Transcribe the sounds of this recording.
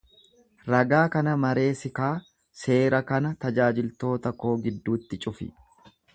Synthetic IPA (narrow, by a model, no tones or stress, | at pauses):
ɾɐɡaːkɐnɐmɐɾe̞ːsɪkaː | se̞ːɾɐkɐnɐt̪ɐd͡ʒaːd͡ʒɪlt̪o̞ːt̪ɐkːo̞ːɡɪd̪ːuːt̪ːɪt͡ʃʼʊfɪ̰